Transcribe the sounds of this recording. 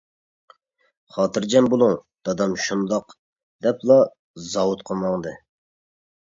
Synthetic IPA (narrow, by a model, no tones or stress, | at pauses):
χɑːt̪ʰɨɾd͡ʒɛmbolˠuŋ | d̪̥ɑd̪ɑmʃund̪ɑq | d̪̥ɛplˠɑ | zɑwut̪qʰəmɑŋd̪ɨ